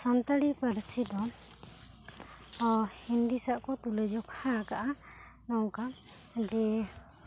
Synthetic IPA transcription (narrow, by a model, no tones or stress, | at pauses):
sant̪aɽipəɾsid̪ɔ | hind̪isaʔkɔt̪ulɛd͡ʒɔkhakaʔa | nɔwka | d͡ʒɛ